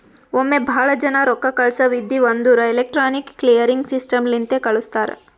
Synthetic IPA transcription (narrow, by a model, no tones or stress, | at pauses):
omːe̞bʱaːɭɐd͡ʒɐnɐɾɔkːɐkɐɭsɐʋid̪ːiʋɐnd̪uːɾɐelek̚ʈɾaːnikːlijɐɾiŋɡsisʈɐmlint̪ekɐɭust̪aːɾḛ